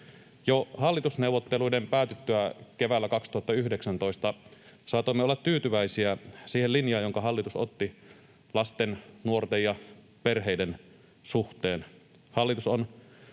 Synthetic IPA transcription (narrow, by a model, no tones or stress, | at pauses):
johɑlːit̪usneuwʋːˑot̪ːeluidempæːt̪et̪ːøækeʋælːækɑkst̪uhɑt̪ːɑyhdeksænt̪o̞ist̪ɑ | sɑːt̪oimːeolːɑt̪t̪yːt̪yʋæisiæsiːhellinjɑːjoŋkɑhɑlːit̪uso̰t̪ːi | lɑst̪ennuort̪ejjɑ | perɦeiden | suht̪eːn | hɑlːit̪uson